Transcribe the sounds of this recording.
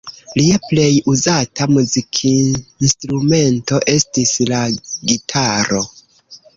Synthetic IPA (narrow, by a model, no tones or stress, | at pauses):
liaple̞juzatamuzikʰinstɾume̞nto̞ʔe̞stislaɡitʰaɾo̞̰